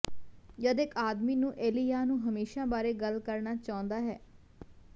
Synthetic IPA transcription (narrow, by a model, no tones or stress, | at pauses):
jəd̪ekaːd̪miːnũːʔeːlijaːnũːɦəmeːʃãːbaːɾeːɡəlkəɾnaːt͡ʃaːʊ̃nd̪aːɦɛː